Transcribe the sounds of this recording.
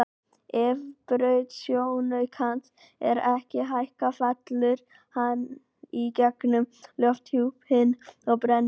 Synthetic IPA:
ɪvpɾœːɥt̪sjownœɥkʰan | ɛ̰ɾɛhcɪɦajhkafat̪lɪɾ̥ | han | icɛknʏmljɔft̪huphɪnːɔɣpɾɛnː

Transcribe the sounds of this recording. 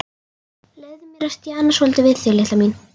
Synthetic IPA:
lɛðʏmjɛɾast̪jaːnːasvɔlt̪ʏvɪðθɪlɪht̪amin

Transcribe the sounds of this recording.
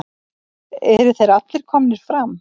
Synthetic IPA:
ɛɾʏ̥θejɾat̪lɪɾ̥kʰɔːmnɪɾ̥fɾam

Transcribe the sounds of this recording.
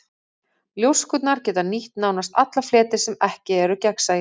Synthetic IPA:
ljowskʏt̪naɾcɛːt̪aniht̪nawnast̪at̪laflɛːt̪ɪ̥sɛmɛhcɪɛɾʏcɛksaj

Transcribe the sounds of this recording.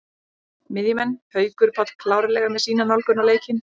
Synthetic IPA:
mɪðjʏmɛnːhœːɥkʏɾ̥pʰat̪kʰlaːwɾɪlɛːɣamɛðsiːnanalkʏnawleːjcɪn

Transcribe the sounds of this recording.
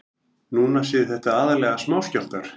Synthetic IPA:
nuːnasɪːðɪθɛht̪aaːðalɛːɣasmaːwscal̥t̪aɾ̥

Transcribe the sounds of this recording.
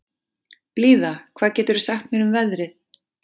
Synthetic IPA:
pliːðakʰvaːðcɛːt̪ʏɾʏɾ̥saxt̪mɛnʏmvɛðɾɪθ

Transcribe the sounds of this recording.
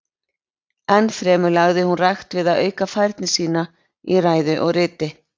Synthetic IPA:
ɛnːfɾɛːmʏlaɣðɪhunrajxt̪vɪðaðœːɥkafajɾt̪nɪsiːna | iraːjðʏʔɔɣrɪːt̪ɪ

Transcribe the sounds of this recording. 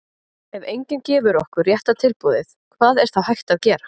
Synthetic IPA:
ɛvejɲcɪncɛːvʏɾɔhkʏɾrjɛht̪at̪ʰɪlpuːðɪθkʰvaːðɛɾ̥θawhajht̪aðcɛːɾa

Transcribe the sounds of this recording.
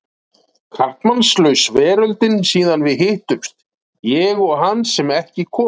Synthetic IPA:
kʰart̪manslœɥsvɛːɾœlt̪ɪnsiːðanvɪðɦɪht̪ʏmst̪ | jɛɣɔɣɦanːsɛmɛhcɪkʰɔː

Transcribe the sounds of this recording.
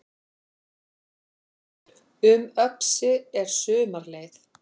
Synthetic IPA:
ʏmœpsʏɛɾ̥sʏːmaɾleːjθ

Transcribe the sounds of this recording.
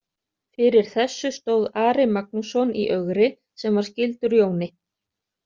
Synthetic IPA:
fɪɾɪɾ̥θɛsːʏst̪oːwðaːɾɪmak̚nusɔnḭʔœɣɾɪ | sɛmvaɾ̥scɪlt̪ʏɾjoːwnɪ

